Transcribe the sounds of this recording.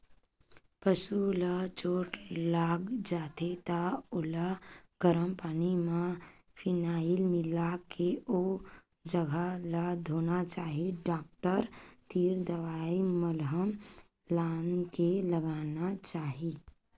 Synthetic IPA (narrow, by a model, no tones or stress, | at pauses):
pəʃulat͡ʃoːʈlaːɡd͡ʒaːt̪et̪aʊlaɡ̥əɾəmpaːnimã | pʰɪnaːilmɪlakʰeoː | d͡ʒəɡʱalad̪ʱoːnat͡ʃaːɦiɖaːk̚ʈəɾt̪iːɾd̪əʋaːiməlɦəm | laːnkeləɡaːnat͡ʃaːɦiː